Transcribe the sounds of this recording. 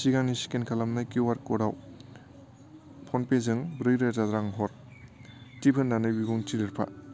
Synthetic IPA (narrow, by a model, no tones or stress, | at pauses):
siɡaŋnisi̥kenkʰalamnajkiwaɾkɔɾaw | pʰɔnpezɯŋbɾɯjɾazadɾaŋɦɔɾ | tipʰɯnːanɯjbiɡuŋtʰidɯɾpʰa̰